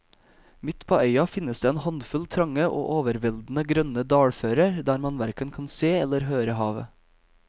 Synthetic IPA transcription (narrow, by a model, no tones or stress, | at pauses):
mɪt̪pʰoːœʏɑfɪnəsd̪eːeːnhɑnd̪fʉlt̪ʰɾɑŋəʔo̰ːʔoːʋəɾʋɛld̪n̩əɡɾœnəd̪ɑːɽføːɾəɾd̪æːɾmɑnʋæɾkənkʰɑnseːɛləɾɦøːɾəhɑːʋə̰